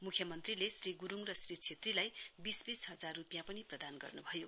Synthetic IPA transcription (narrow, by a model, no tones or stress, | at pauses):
mukʰjʌmʌnt̪rilesriɡuɾuŋrʌsrit͡sʰet̪rilajbisbisɦʌd͡zarrupjãpʌniprʌd̪anɡʌ̰rnubʱʌjo